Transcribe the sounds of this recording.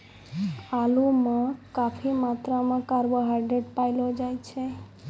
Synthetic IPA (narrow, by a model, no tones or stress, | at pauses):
alumãkapʰimat̪ɾamãkaɾʋəɦaɖɾeɖpajlod͡ʒajt͡ʃʰe